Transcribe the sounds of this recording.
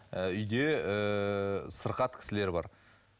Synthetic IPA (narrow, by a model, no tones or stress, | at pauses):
əʏjd̪e̞ə | səɾqɑt̪̚kʲʰɪ̥sɪle̞ɾbɑ̰ɾ